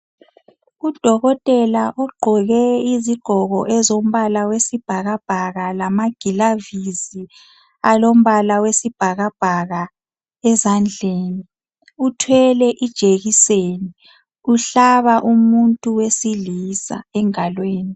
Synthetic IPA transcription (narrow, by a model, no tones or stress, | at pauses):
ud̥ʱɔɣɔtʼɛlaʔɔɡ͡ǃʱɔɣɛiziɡ͡ǃ̥ʱɔɣɔ̰ʔɛzom̩βalawesib̥ʱaɣab̥ʱaɣalamaɡ̥ʱilavizi | alom̩βalawesib̥ʱaɣab̥ʱaɣa | ɛzand͡ɮʱeːni | utʰwɛlɛʔid̥ʒ̥ʱeɣiseːni | uɬaβaʔumuntʼuwesilisa̰ɛŋalweːni